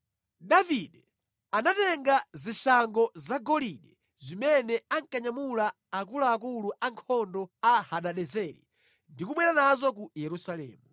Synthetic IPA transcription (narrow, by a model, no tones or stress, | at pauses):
ɗaviɗɛ | anatɛŋɡaziʃaŋɡɔzaɡɔliɗɛ | zimɛnɛaŋkaɲamulaː | k̬ulaːkuluʔaŋkʰɔndɔahaɗaɗɛzɛɾḭ | ndikuɓwɛɾanazɔk̬ujɛɾusalɛ̰ːmu